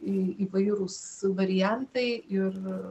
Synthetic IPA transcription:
ɪiʋɐɪɾusʋɐɾʲɪjænt̪ɐɪɪr

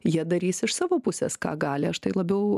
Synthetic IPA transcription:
jiɛd̪ɐɾʲiːsɪʃsɑːʋoːpʊsʲɛ̰skɑ̰ːɡɑːlʲɪɐʃt̪ɐɪlˠɐbʲɛʊ

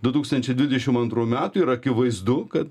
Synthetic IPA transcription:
d̪ʊt̪uːkst̪ɐnʲt͡ʃʲɛɪd̪ʲʋʲɪdʲɛʃʲɪmɐnt̪ɾuːmʲæːt̪ʊiɾɐkʲɪʋɐɪzd̪ʊkɐt̪

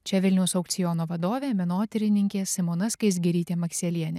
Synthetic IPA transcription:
t͡ʃʲɛʋʲɪlʲnʲɛʊsɐʊkt̪sʲɪjɔːnoːʋɐd̪oːʋʲeːmʲɛnoːt̪ʲɪɾʲɪnʲɪŋʲkʲeːsʲɪmonɐskɐɪs̬ɡʲɪɾʲiːt̪ʲeːmɐksʲeːlʲiɛnʲeː

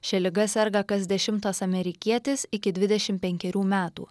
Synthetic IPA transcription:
ʃʲɛlʲɪɡɐsʲɛɾɡɐkɐzd̪ʲɛʃʲɪmt̪ɐsɐmʲɛɾʲɪkʲiɛt̪ʲɪsɪkʲɪd̪ʲʋʲɪd̪ʲɛʃʲɪmpʲɛŋʲkʲɛɾʲuːmʲæːt̪ṵː

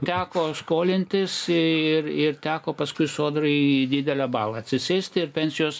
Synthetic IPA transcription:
t̪ʲæːkoːskoːlʲɪnʲt̪ʲɪsɪɪrɪrt̪ʲæːkoːpɐskʊɪsoːd̪rɐɪiid̪ʲiːd̪ʲɛlʲæbɑːlˠɐɐt̪ʲsʲɪsʲɛːsʲt̪ʲɪɪrpʲɛnʲsʲɪjoːs

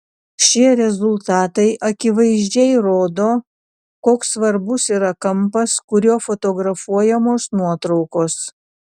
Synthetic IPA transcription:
ʃʲiɛɾʲɛzʊlˠt̪ɑːt̪ɐɪʔɐkʲɪʋɐɪʒʲd͡ʒʲɛɪɾoːd̪oː | koːksʋɐɾbʊsiːɾɐkɐmpɐskʊɾʲoːfot̪oɡɾɐfuɔjɛmoːsnuɔt̪ɾɒʊkoːs

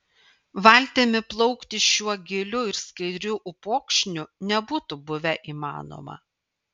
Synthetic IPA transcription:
ʋɐlʲt̪ʲeːmʲɪplˠɔʊkt̪ʲɪʃʲuɔɡʲɪlʲʊɪɾskɐɪd̪ʲɾʲuʔʊpoːkʃʲnʲʊnʲɛbuːt̪ʊbʊʋʲɛʔiːmɑ̰ːno̰mɐ̰

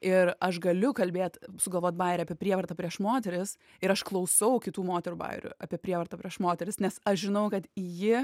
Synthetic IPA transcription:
ɪɾɐʃɡɐlʲʊkɐlʲbʲeːt̪sʊɡɐlˠʋoːt̪̚bɑɪɾʲɛɐːpʲiɛpʲɾʲiɛʋɐrt̪ɐpʲɾʲiɛʃmoːt̪ʲɛɾʲɪs | ɪɾɐʃklˠɐʊsɐʊkʲɪt̪uːmoːt̪ʲɛɾuːbɐ̰ɪɾʲʊ̰ɐːpʲiɛpʲɾʲiɛʋɐrt̪ɐpʲiɛʃmoːt̪ʲɛɾʲɪsnʲɛsɐʃʒʲɪnɐʊkɐt̪jɪ

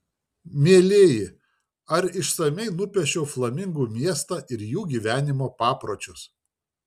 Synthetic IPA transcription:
mʲeɛlʲeːjɪ | ɐɾɪʃsɐmʲɛɪnʊpʲɛʃʲoːflˠɐmʲɪŋɡuːmʲiɛst̪ɑːʔɪɾjuːɡʲiːʋʲæːnʲɪmoːpɑːpɾoːt͡ʃʲʊs

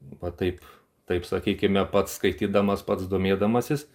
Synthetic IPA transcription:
ʋɐt̪ɐɪp | t̪ɐɪpsɐkʲiːkʲɪmʲɛpɐt̪sskɐɪt̪ʲiːd̪ɐmɐspɐt̪sd̪oːmʲeːd̪ɐmɐsʲɪs

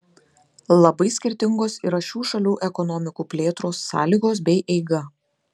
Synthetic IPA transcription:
lˠɐbɐɪsʲkʲɪɾʲt̪ʲɪŋɡoːsiɾɐʃʲuːʃɐlʲuːʔɛkɔnɔmʲɪkuːpʲlʲeːt̪ɾoːsːɑ̰ːlʲiːɡoːs̬bʲɛɪʔɛɪɡɐ

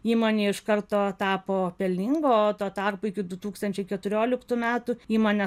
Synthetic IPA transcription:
iːmoːnʲeːɪʃkɐrt̪oːt̪ɑːpoːpʲɛlʲnʲiŋɡoːt̪oːt̪ɑrpoːɪkʲɪd̪ʊt̪uːkst̪ɐnʲt͡ʃʲɛɪkʲɛt̪ʊɾʲoːlʲɪkt̪uːmʲæːt̪ʊiːmoːnʲe

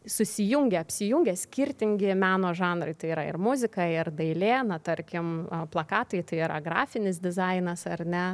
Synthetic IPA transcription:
sʊsʲɪjʊŋʲɡʲeɐpʲsʲɪjʊŋʲɡʲɛːsʲkʲɪrʲt̪ʲɪŋʲɡʲɪmʲæːnoːʒɑːnɾɐɪt̪ɐɪiːɾɐɪ̰rmʊzʲɪkɐɪrd̪ɐɪlʲeːnɐt̪ɐɾʲkʲɪmplˠɐkɑːt̪ɐɪt̪ɐɪiɾɐɡrɑ̰ːfʲɪnʲɪs̬d̪ʲɪzɐɪnɐsɐrʲnʲɛ

